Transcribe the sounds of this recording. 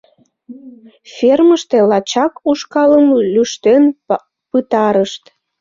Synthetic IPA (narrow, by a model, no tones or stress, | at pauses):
fʲerməʃt̪elɑt͡ɕɑkuʃkɑləmlyʃt̪en | pɨt̪ɑɾəʃt̪